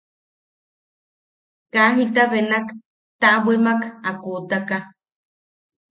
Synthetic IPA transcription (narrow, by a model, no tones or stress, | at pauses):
kaɦit̪aβenak | t̪aʔbwemakakuʔt̪aka